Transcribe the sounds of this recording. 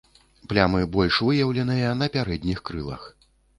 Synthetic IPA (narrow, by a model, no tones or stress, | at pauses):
plʲamɨbɔlʲʂvɨjɐwlʲɛnɨjɐn̪ɐpʲaɾɛd̪ʲnʲixkɾɨlˠɐ̰x